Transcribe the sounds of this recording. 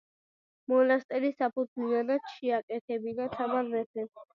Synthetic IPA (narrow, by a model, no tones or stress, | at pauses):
mɔlast̪ʼɛɾisapʰud̪zlianad̪ʃɛakʼɛt̪ʰɛbinat̪ʰamaɾmɛt̪ʰɛ